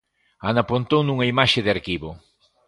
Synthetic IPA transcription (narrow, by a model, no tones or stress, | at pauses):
anɐpont̪ownuŋaimaʃɪðaɾkiβo